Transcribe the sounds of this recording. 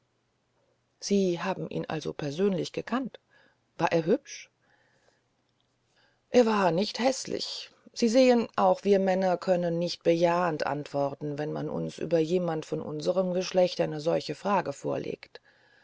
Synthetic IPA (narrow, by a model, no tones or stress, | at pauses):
z̥iːɦaːbm̩ʔḭːnʔa̰lzo̰pʰɛɐzøːnlɪçɡ̥əkʰant | v̥aːɐʔeːɐɦʏpʃ | ʔeːɐvaːɐnɪçthɛslɪ̰ç | z̥iːzeːənʔaʊxv̥iːɐmɛnɐkʰœnənːɪçt̚b̥əjaːəntʔa̰ntv̥ɔʁtn̩vɛnma̰nʔʊ̰nsʔy̰ːbɐjeːmantfɔnʔʊ̰nzəʁəmɡəʃlɛçtʔaɪnəzɔlçəfʁ̥aːɡəfoːɐlḛːkt